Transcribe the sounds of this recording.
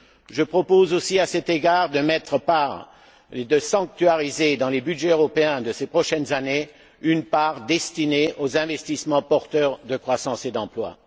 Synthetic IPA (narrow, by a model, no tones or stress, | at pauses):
ʒəpχɔpozosiasɛt̪eɡaʁd̪əmɛt̪χəpaʁ | ed̪əsɑ̃k̚t̪ɥaʁized̪ɑ̃lebyd̪ʒɛøʁɔpeɛ̃d̪əsepχɔʃɛnzane | ynpaʁd̪ɛst̪ineʔozɛ̃vɛst̪ismɑ̃pɔʁt̪œʁd̪əkχwasɑ̃sed̪ɑ̃plwa̰